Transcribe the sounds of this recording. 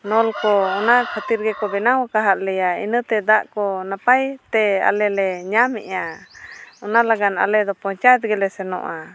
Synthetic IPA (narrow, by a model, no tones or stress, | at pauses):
nɔlkɔɔnakʰət̪iɾɡɛkɔbɛnawakaɦaʔ̪lɛjaḭnət̪ɛd̪aʔkɔnapajt̪ɛa̰lɛlɛɲamɛ̰ʔa | ɔnalaɡana̰lɛd̪ɔpɔ̃t͡ʃajt̪̚ɡɛlɛsɛnɔ̰ʔa